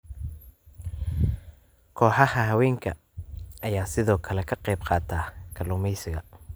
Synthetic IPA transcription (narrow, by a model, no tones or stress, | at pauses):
kʰɔːħɑhɐɦɐwɛːŋkʰɐ̰ | ʔɐjaːsɪðɔːkʰɐlɛkʰɐqɛjbqɑːt̪ʰaːkʰɐlʊmɛjsɪɣɐ̰